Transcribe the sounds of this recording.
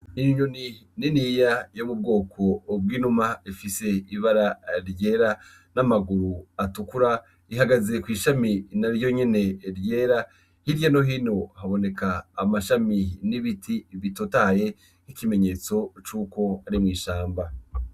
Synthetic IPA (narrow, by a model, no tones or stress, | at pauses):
niɲonininijajomub̚ɡo̞ːkʰo̞b̚ɡiːnumaifise̞iβaɾaɾje̞ːɾa | namaɡuɾuatukuɾa | iɦaɡaze̞kwiːʃaminaɾjo̞ɲe̞ne̞ɾje̞ːɾa | hiɾjano̞ɦino̞haβo̞ne̞kaːmaʃaminiβitʰiβitotaje̞ | hikime̞ɲe̞t͡so̞t͡ʃuko̞aɾimŋiːʃaːmba